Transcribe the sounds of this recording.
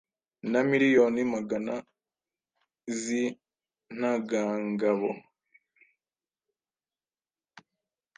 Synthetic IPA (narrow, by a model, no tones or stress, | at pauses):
namiɾijonimaɡana | zi | n̥aɡaːŋɡaβo